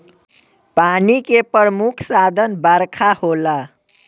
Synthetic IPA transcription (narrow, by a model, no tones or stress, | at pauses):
panikepəɾəmukʰsad̪ʱənbəɾkʰahola